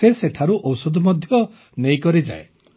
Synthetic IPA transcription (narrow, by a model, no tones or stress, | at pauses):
eseʈʰaɾuʔɔwsɔd̪ʱɔmɔd̪ʱjɔ | nejkɔɾid͡ʒa̰e